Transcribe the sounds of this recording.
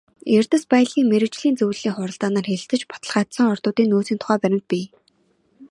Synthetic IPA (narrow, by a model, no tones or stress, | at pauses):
er̥t̪ə̆spaj̆ɮiːŋmeɾɘ̆t͡ɕɮiːnt͡sɵwɮiːŋχʊɾə̆ɮt̪aːnaːrxeɮɘ̆t̪ɘ̆t͡ɕpɔ̥t̪ə̆ɮχaːt̪sə̆ŋɔrt̪ʊːt̪iːŋnoːsiːnt̪ʰʊ̥χæːpæɾʲɪ̆mt̪̚pʲiː